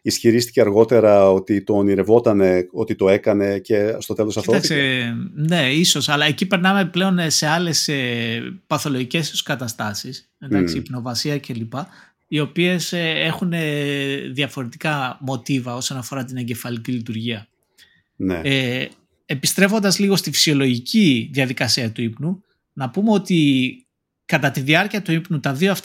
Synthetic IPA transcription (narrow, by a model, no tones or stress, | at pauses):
isçiɾist̪i̥ceɐɾɣo̞t̪e̞ɾɐo̞t̪it̪o̞ːniɾe̞vo̞t̪ɐne̞o̞t̪it̪o̞e̞kɐne̞ce̞st̪o̞t̪e̞losɐfoɐksene̞iso̞sɐlɐecipe̞ɾnɐme̞ple̞o̞nse̞ɐle̞sepɐθo̞lo̞ʝice̞su̥skɐt̪ɐst̪ɐsis | meɐkssipno̞vɐsiɐce̞lipɐ | io̞pie̞see̞xune̞ðiɐfo̞ɾe̞t̪ikɐmo̞t̪ivɐo̞so̞nɐfo̞ɾɐt̪̬ine̞ɲɟe̞fɐlicilit̪uɾʝiɐ | ne | epist̪ɾe̞fo̞nd̪ɐzliɣo̞st̪ifi̥sio̞lo̞ʝicʰiðjɐðikɐsiɐt̪uipnu | nɐpumeo̞t̪i | kɐt̪ɐt̪iðiɐɾciɐt̪uipnut̪ɐðioɐft̪